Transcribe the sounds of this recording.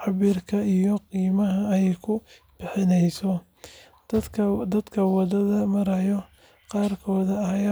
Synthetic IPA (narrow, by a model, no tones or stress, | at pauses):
ħɑβiːrkʰɐijɔqiːmɐɦɐːjɛjkʰʊ | b̥ɪħɪnɛjsɔ̥ | d̪ɐd̪kʰɐwɑðɐðɐmɐɾɐjɔ | qɑːrkʰɔːðɐɐjaː